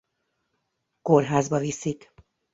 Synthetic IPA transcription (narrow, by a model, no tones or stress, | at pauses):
korɦaːzbɒvisik